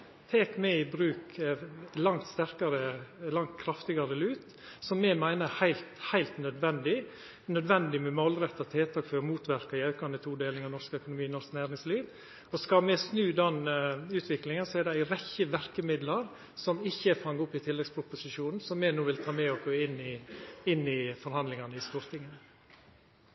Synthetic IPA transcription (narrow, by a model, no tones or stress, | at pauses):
t̪ʰeːkmɛɪbɾʉːk | lɑŋt̪st̪æɾkɑɾəlɑŋt̪̚kʰɾɑft̪ɪɡɑɾəlʉːt̪ | sɔmːɛmæɪnəhæɪlt̪hæɪlt̪nœd̪ʋɛnd̪ɪ | nœd̪ʋɛnd̪ɪmɛmɔlɾɛt̪ːɑt̪ʰeːt̪ʰɑːkføːɾmuːt̪ʋæɾkɑɪɑʉkɑnət̪ʰuːd̪eːlɪŋɑnɔɾʂkœkʊnʊmiːnɔʂknæːɾɪŋsliːʋ | ɔskɑmɛsnʉːd̪ɛnʉːt̪ʰʋɪklɪŋənsɔɛɖɛæɪɾɛçːəʋæɾkəmɪd̪lɑɾ | sɔmɪçːəfɑŋːʊpːɪt̪ʰɪlːɛɡspʰɾʊpʊsɪʂuːnn̩sɔmːɛnuːʋɪlt̪ʰɑːmɛɔɡoːɪnːɪɪnːɪfɔɾhɑnd̪lɪŋɑnəɪst̪uːɾt̪ʰɪŋːənə